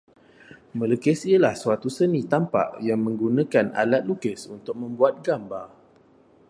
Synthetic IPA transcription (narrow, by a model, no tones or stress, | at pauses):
mə̃lukəsiəlahsuat̪usənĩt̪ampa̰ʔjaŋmə̃ŋɡunãkana̰lat̪̚lukəsunt̪ʊk̚mə̃mbuat̪̚ɡambar